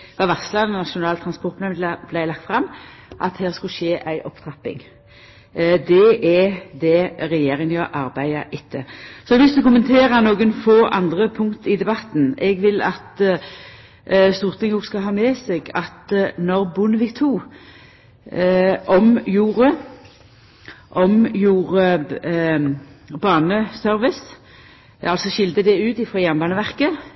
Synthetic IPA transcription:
ʋɑʋɑslɑnnɑʃʊnɑːlt̪ʰɾɑnspɔɾʁt̪mɛmb̥læɪlɑk̚t̪fʁɑmː | ʔɑt̪hæːʁskʉʃeːʔæɪʔɔpt̪ʰʁɑpːɪ̰ŋ | d̪ɛʔɛd̪ɛʁɛjeːɾɪŋənjɑʔɑɾbæɪɑʔɪt̪ʰːəsɔʋɪsd̪ʉkʊmənt̪ʰeːʁənoːɡənfoːʔɑ̰nd̪ʁəpʰʊŋkt̪ɪd̪ɛbɑt̪ːn̩ɛɡʋɪlɑt̪ | st̪uːʁt̪ʰɪŋoːɡskɑɦɑːmɛsɛɡɑt̪nɔʁbʊnəʋɪɡt̪ʰuː | ʔɔmjuːʁə | ʔɔmjuːʁə | bɑːnəsœɾʋɪs | ɑlsɔʃɪld̪əd̪ɛʉːt̪ɪfɾɔːjænbɑːnəʋæʁkə

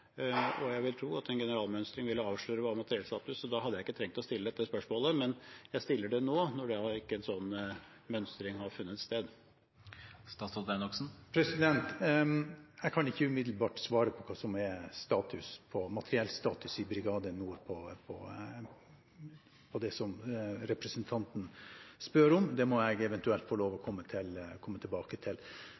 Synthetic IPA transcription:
ɔjæɪʋɪlt̪ʰɾuːɑt̪ɛnɡɛnəɾɑːlmœnst̪ɾɪŋʋɪlːəɑːʋʂɭøːɾəʋɑːmɑt̪əɾɪɛlst̪ɑːt̪ʉsːɔd̪ɑɦɑd̪ːjæɪɪkːət̪ʰɾɛŋ̚t̪ɔst̪ɪləd̪ɛt̪ːəspœʂmoːləmɛnjæɪst̪ɪlːəɖɛnoːnɔɖɛɑɪkːəɛnsɔnː | mœnst̪ɾɪŋɦɑɾfʉnːət̪st̪eːd̪ | st̪ɑːsɔd̪ɛnɔksn̩pʰɾɛsɪd̪ɛnt̪ | ɛɪkʰɑnɪçːəʉmɪd̪l̩bɑːʈsʋɑːɾəpʰɔkʰɑːsɔmɛst̪ɑːt̪ʰʉspʰɔmɑt̪ʰəɾɪɛlst̪ɑːt̪ʉsɪbɾɪɡɑːd̪ənuːɾpʰɔpʰɔ | pʰɔd̪ɛsɔmɾɛpɾɛsənt̪ʰɑnt̪n̩spøːɾɔmd̪ɛmɔɛɪɡɛʋɛnt̪ʉɛlt̪fɔloːʋɔkʰɔmːət̪ʰɪlkʰɔmːət̪ʰɪlbɑːkət̪ʰɪl

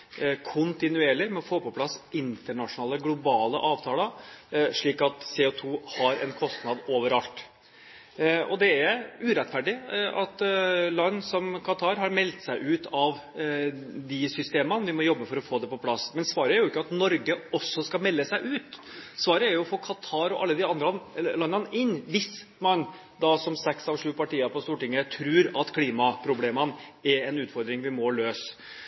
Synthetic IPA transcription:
kʰʊnt̪ɪnʉeːɭɪmɛɔfoːpɔpʰlɑsːɪnt̪əɳɑʂʊnɑːləɡlʊbɑːlə̰ʔɑːʋt̪ʰɑːləʂɭiːkɑt̪seːɔt̪ʰuːhɑɾɛ̰nkʰɔst̪nɑd̪oːʋəɾɑlt̪ | ɔ̰d̪ɛæɾʉːɾɛt̪ːfæɖɪɑt̪lɑnːsɔmkʰɑt̪ʰɑːɾɦɑɾmɛlt̪sæɪʔʉːt̪ɑʋ | d̪ɪsʏst̪eːmənʋɪmɔjɔbːəfɔɾɔfoːd̪ɛpɔpʰlɑsmɛnsʋɑːɾəæɾjʊɪkːəɑt̪nɔɾɡəɔsːɔskɑmɛlːəsæɪʔʉːt̪sʋɑːɾəæɾjʊɔfoːkʰɑt̪ʰɑːɾɔʔɑlːəd̪ɪɑnd̪ɾnlɑnːɑnɪnːʋɪsmɑn | d̪ɑsɔmsɛksɑʋʂʉːpɑʈiːɑpɔst̪uːʈɪŋːət̪ʰɾʉːɾɑt̪kʰliːmɑpʰɾʊbleːmənɛɾɛnʉːt̪fɔɾd̪ɾɪŋʋɪmɔløːs

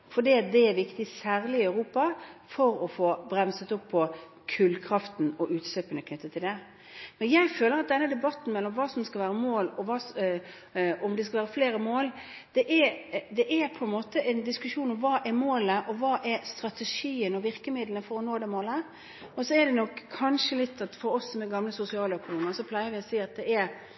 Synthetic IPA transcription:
fɔɖiːɑt̪̚d̪ɛæɾʋɪkt̪ɪsæːɾlɪɪɑʉɾuːpɑfɔɾɔfoːbɾɛmsət̪ʊpʰːɔ | kʰʉlkʰɾɑft̪n̩ɔʔʉːt̪søpənəkʰnʏt̪ːət̪ʰːɪld̪ɛ | mɛnjæɪføːləɾɑt̪̚d̪ɛnːəd̪ɛbɑt̪ːn̩mɛlːɔmʋɑːsɔmskɑlʋæːɾəmoːlɔʋɑːs | ɔmd̪ɛskɑlʋæːɾəfleːɾəmoːl | d̪̥ɛʔɛd̪ɛʔɛɾpʰɔɛnmoːt̪əʔɛɪnd̪ɪskʉʂuːnɔmʋɑːʔɛɾmoːləʔɔʋɑːʔɛɾst̪ɾɑt̪ɛʂiːənɔʋɪɾkəmɪd̪lənəfɔɾɔnoːd̪ɛmoːlə | ɔsɔɛɖɛnɔkʰːɑnʂəlɪt̪ʰːɑt̪fɔɾɔsːɔmɛɡɑmləsʊsɪɑːləœkʊnuːmənsɔpʰlæɪəɾʋɪɔsiːɑt̪̚d̪ɛæɾ

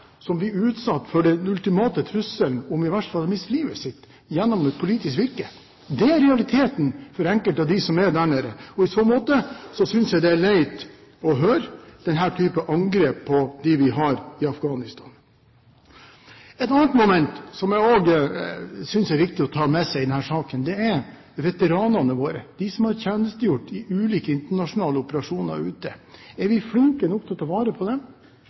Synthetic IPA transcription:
sɔmʋɪʉːt̪sɑt̪ːfɔɖɛnʉlt̪ɪmɑːt̪ət̪ʰɾʉsəln̩ʊmɪʋæʂʈəfɑlmɪst̪liːʋəsɪt̪ː | jɛnːɔmɛt̪̚pʰʊliːt̪ɪskʋɪɾkə | d̪ɛæɾɾɛɑlɪt̪ʰeːt̪n̩fɔɾɛŋkəlt̪ɑd̪ɪsɔmæd̪æɳəɾəɔɪsɔmoːt̪əsɔsʏnsjæɡd̪ɛæɭæɪt̪ | ɔɦøːɾd̪̥ɛnɦæːʈʰyːpəʔɑŋɡɾeːpʰːɔd̪ɪʋɪɦɑɾɪɑfɡɑːnɪst̪ʰɑːn | ɛt̪ɑnət̪mʊmɛnt̪sɔmjæɪoːɡ | sʏnsæɾʋɪk̚t̪ɪɔt̪ʰɑːmɛsæɪd̪ɛnhæːʂɑːkənd̪ɛɛɾ | ʋɛt̪əɾɑːnɑnəʋoːɾə̰d̪̥ɪsɔmhɑɾçæːnəst̪əjʊʈːɪʔʉːliːkəɪnt̪əɳɑʂʊnɑːləɔpəɾɑʂuːnɑ̰ɾʉːt̪əɛɾʋɪfɽɪŋkənɔkt̪ʰɛlt̪ʰɑʋɑːɾəpʰɔd̪ɛ

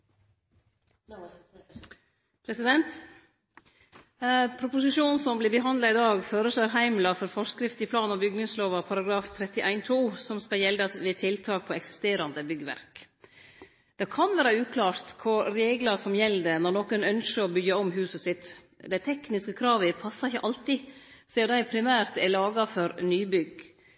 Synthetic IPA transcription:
pʰɾɛsɪd̪ɛnt̪ | pʰɾʊpʊsɪʂuːnsɔmblɪbəɦɑnd̪lɑɪd̪ɑːɡføːɾəʂloːɾɦæɪmlɑfɔɾfɔʂkɾɪft̪ɪpʰlɑːnɑbʏɡnɪŋsloːʋɑpʰɑɾɑɡɾɑːft̪ʰɾɛt̪ːɪʔæɪnt̪ʰuːsɔmskɑjɛld̪ɑʋɪt̪ʰɪlt̪ʰɑːk̚pʰɔɛksɪ̥st̪eːɾɑnd̪əbʏɡəʋæ̰ɾk | d̪̥ɛkʰɑnʋæːɾəʉːkʰlɑːɾt̪kʰʊɾɾeːɡlɑsɔmjɛlːd̪ɛnɔɾnɔkənœnʃəɾɔbʏɡɑɔmɦʉːsəsɪt̪ | d̪æɪt̪ʰɛknɪskəkʰɾɑːʋəpʰɑsːɑɪçːəʔɑlt̪ɪsɛːd̪æɪpʰɾɪmæːɾt̪ɛɭɑːɡɑfɔɾnyːbʏɡ

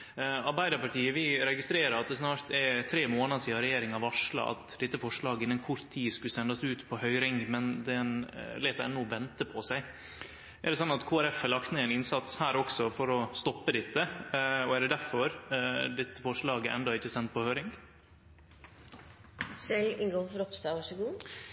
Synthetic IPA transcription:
ɑɾbæɪd̪əpɑʈ̪iːəʋɪɾɛɡɪst̪ɾeːɾəɾɑt̪̚d̪ɛsnɑːɾt̪ɛɾt̪ʰɾeːmoːnɑd̪siːɑɾɛjeːɾɪŋɑʋɑʂlɑ̰ʔɑ̰t̪d̪ɪt̪ːəfɔʂɭɑːɡəɪnːənkʰʊɾt̪ʰːiːskʉlsɛnd̪ɑsʉːt̪pʰɔhœʏɾɪŋmɛnd̪ɛnlɛːt̪ɛ̰nːuʋɛnt̪əpʰɔsæɪ | ʔæɖɛsɑnːɑt̪kʰoːæɾɛfælɑk̚t̪neːɛnɪnsɑt̪shæːɾɔksɔfɔɾɔst̪ɔpːəd̪ɪt̪ːəɔæɖ̪ɛd̪æɾfɔɾd̪ɛt̪ːəfɔʂɭɑːɡə̰ɾɛnd̪ɑɪçːəsɛnt̪̚pɔhœʏɾɪŋ | sɛɪʔɪŋɡɔlfɔɾɔpst̪ɑːʋɑʂəɡuː

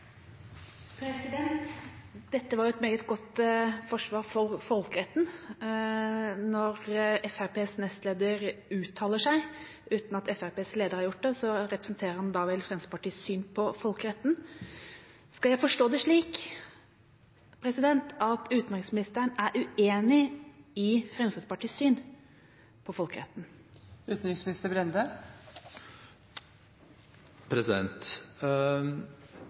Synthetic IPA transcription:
pʰɾɛsɪd̪ɛnt̪d̪̥ɛt̪ːəʋɑɾjʊɛt̪meːɡət̪ɡɔt̪fɔʂʋɑːɾfɔɾfɔlkəɾɛt̪ːn̩ | nɔɾɛfæɾpeːsnɛst̪leːd̪əɾʉːt̪ʰːɑːləʂæɪ | ʉːt̪nɑt̪ɛfæɾpeːskleːd̪əɾhɑɾjʊʈ̚ːd̪ɛsɔɾɛpɾəsnt̪ʰeːɾəɾɑnd̪ɑːʋɛlfɾɛnsə̥pɑʈiːsyːnpʰɔfɔlkəɾɛt̪ːn̩ | skɑljæɪfɔʂʈoːd̪ɛʂɭiːk | pʰɾɛsɪd̪ɛnt̪ʰɑt̪ʉːt̪nɾɪŋsmɪnɪst̪əɾənæɾʔʉeːnɪɪfɾɛmskɪd̪spɑʈiːsyːn | pʰɔfɔlkəɾɛ̰t̪ːn̩ | ʉːt̪n̩ɾɪŋsmɪnɪst̪əbɾɛnd̪ə | pʰɾɛsɪd̪ɛ̰nt̪

